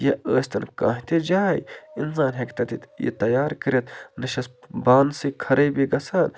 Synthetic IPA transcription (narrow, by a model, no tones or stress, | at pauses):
jɐəːsʲt̪ɐnkã̰ːɦʲit̪ed͡ʒaːjins̬aːnɦekt̪ɐt̪it̪jḭt̪ɐjaːɾkəɾɐt̪nɐʃɐsbaːnsikʰɐɾɐjbiɡɐsɐːn